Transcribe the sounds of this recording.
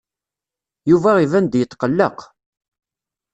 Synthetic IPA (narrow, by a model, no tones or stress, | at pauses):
juvæivænd̪jət̪ːqəlːə̰q